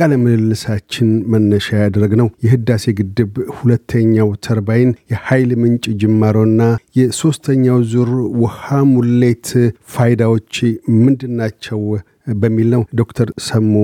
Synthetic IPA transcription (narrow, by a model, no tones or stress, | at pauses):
kʼaləmɨlɨlːɨsat͡ʃːɪnmənːəʃajad̪ɾəɡnəwjɛɦɨd̪ːase̞ɡɨd̪ːɨβhulət̪ʰːəɲːawt̪ʰəɾbajɪnjɛhajlmɨnt͡ʃʼd͡ʒɨmːaɾonːajɛso̞st̪ʰəɲːawzuɾwɔhamulːet̪fajd̪awo̞t͡ʃːmɨnd̪ɨnːat͡ʃːɛw | bəmːilnəwd̪o̞kt̪ʰəɾsəmːo